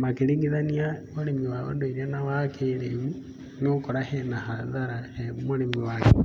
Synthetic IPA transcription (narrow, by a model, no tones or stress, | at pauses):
makeɾiŋɡiðaniamolemiwao̰ndoiɾanawakeleβu | neokoɾahenahaðaɾahemolemiwake